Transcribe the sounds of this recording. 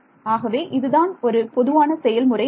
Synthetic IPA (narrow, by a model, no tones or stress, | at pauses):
aːɣɐʋeːʔɪðɯðaːnɔɾɯpɔðɯʋaːnɐsɛjɐlmʊrɐ